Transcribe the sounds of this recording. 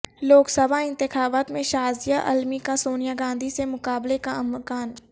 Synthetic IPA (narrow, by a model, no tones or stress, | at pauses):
loːksɐbʱaɪ̃nt̪ɪxaːbaːt̪mẽʃaːzijaʔɐ̰lmikãsoːnijaɡãːnd̪ʱisemʊkaːblekãmkaːn